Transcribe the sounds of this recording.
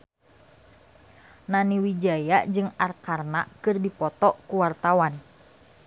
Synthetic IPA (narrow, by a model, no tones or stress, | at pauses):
naniwid͡ʒajad͡ʒɨŋarkarna̰kɨrdipɔt̪ɔkuwart̪awan